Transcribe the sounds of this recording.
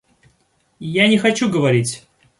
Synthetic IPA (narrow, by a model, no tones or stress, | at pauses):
janʲɪxɐt͡ɕuɡəvɐɾʲitʲ